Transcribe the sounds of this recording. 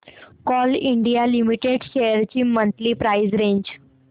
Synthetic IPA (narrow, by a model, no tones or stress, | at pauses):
kɔliɳɖijalimiʈeɖɕejəɾt͡ɕiːmənt̪liːpɾaizɾẽɲd͡ʑ